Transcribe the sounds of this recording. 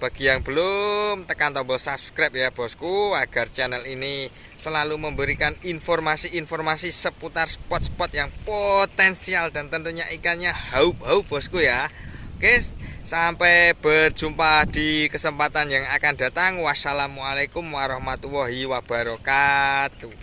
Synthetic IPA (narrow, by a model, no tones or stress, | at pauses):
b̥a̤ɡ̥i̤jaŋb̥əlʊmt̪əkant̪ɔbəlsabskɾap̚jab̥ɔ̤skuaɡ̥a̤rt͡ʃɛnəlini | səlaluməmbəɾikaninfɔrmasiinfɔrmasisəput̪arsə̥pɔt̪̚spɔt̪̚jaŋpot̪ɛnsiald̥̪a̤nt̪ənt̪uɲaʔikanɲahaub̥a̤ub̥ɔ̤skujakesampɛb̥ərd͡ʒ̥umpad̪̥i̤kəsəmpat̪anjaŋakand̥a̤t̪aŋwasalamualekumwaɾɔhmat̪uwɔɦiwab̥a̤ɾokat̪u